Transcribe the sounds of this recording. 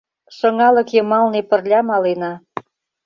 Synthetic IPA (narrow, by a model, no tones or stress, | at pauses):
ʃɤ̆ŋɑlɤ̆kjə̆mɑlnepə̆rlʲɑmɑlenɑ